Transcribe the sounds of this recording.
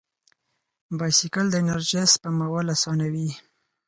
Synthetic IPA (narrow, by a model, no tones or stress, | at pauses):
bɑjsikald̪əɪnaɾʒespəmawalasɑnawi